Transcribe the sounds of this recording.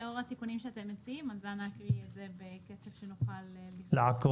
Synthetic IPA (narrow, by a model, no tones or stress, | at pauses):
oʁat̪ikunimʃeat̪emːet͡siimazanakʁiezebeket͡sefʃenuχaleːileako